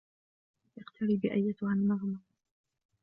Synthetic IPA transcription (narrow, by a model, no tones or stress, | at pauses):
ʔɪqt̪ʰaɾiːbɪʔajːat̪ʊhalmaɣma